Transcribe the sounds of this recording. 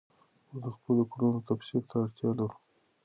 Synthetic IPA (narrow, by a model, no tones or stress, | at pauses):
mʊzd̪əxpəlokuɽunot̪afsilt̪aːɽt̪jɑlaɾu